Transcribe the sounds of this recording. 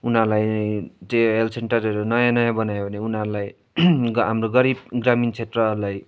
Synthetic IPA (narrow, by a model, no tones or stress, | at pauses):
unʌɾlajt͡sẽelseɳʈʌɾʌɾonʌjãnʌjãbʌnajobʱʌneunɦʌɾlaj | ɡɦamroɡʌɾibɡramint͡sʰet̪rʌɾlaj